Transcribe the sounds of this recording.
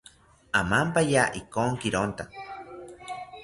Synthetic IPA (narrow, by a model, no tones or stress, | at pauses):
amampajaʔikoŋkiɾont̪a